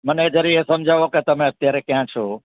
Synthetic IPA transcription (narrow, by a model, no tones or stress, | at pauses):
mɐned͡ʑɐɾiesɐmd͡ʑʱaːʋoket̪ɐm̤ẽɐt̪jaːɾekijãt͡ɕʰoː